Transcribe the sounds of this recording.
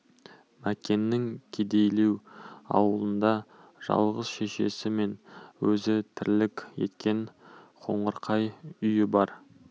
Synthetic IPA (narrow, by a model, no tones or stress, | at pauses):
mækʲe̞nːɪŋkʲʰed̪e̞jle̞wɑ̰wəlˠənd̪ɑʒ̥ɑ̰lˠʁəz̥ʃe̞ʃe̞̰sɪme̞nwɵzɪt̪ʰɪɾlɪkʲje̞̰t̪kʲe̞ɴqʰo̞̰ɴəɾqʰɑjʏjɪbɑɾ